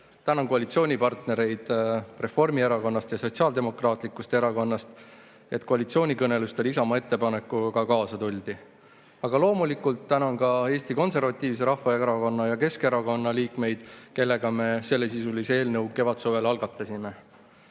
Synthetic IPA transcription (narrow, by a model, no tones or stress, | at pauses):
t̪ænɑŋko̞ɑlit̪sio̞ːnʲipɑrt̪ne̞ɾe̞jd̪̥re̞fo̞rmie̞ɾɑko̞nːɑst̪jɑso̞t̪siɑːld̪e̞mo̞krɑːt̪ˑlikːust̪eeɾɑko̞nːɑst̪ | e̞t̪ˑko̞ɑlit̪sio̞ːnʲikɤne̞lust̪elisɑmɑe̞t̪ːe̞pɑne̞kːˑukɑkɑːsɑt̪ulʲd̪i | ɑɡɑlo̞ːmulikult̪ːænɑnkɑe̞ːst̪iko̞nse̞rvɑt̪ʲːˑiːvs̬e̞ɾɑhfɑeɾɑko̞nːɑjɑke̞ske̞ɾɑko̞nːɑliːkme̞jd̪̥ke̞lːe̞ɡ̥ɑme̞se̞lːe̞sisulise̞ːlnɤwke̞vɑt̪soːve̞lɑlɡ̥ɑt̪ːˑɑsime̞